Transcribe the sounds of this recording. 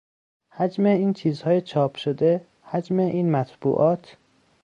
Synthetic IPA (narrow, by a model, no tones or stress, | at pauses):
hæd͡ʒmeiːnt͡ʃʰiːzhɒːjet͡ʃʰɒːpʰʃod̪e | hæd͡ʒmeʔiːnmæt̪ʰb̥ṵːʔɒːt̪ʰ